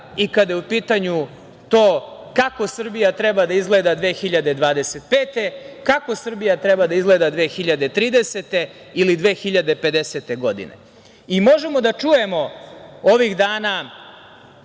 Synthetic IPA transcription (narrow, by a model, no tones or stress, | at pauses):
ikad̪jeupiːt̪aɲu | t̪oːkako̞sr̩bijat̪ɾebad̪aizɡled̪ad̪ʋe̞ːxiʎad̪e̞d̪ʋaːd̪eset̪̚peːt̪e̞kako̞sr̩bijat̪ɾebad̪aizɡleːd̪ad̪ʋe̞ːxiʎad̪e̞t̪ɾiːd̪eset̪e̞ | ilid̪ʋeːxiʎad̪e̞pe̞d̪eset̪e̞ɡo̞d̪ḭnḛ | imo̞ʒemo̞d̪at͡ʂuje̞mo̞o̞ʋiɣd̪aːna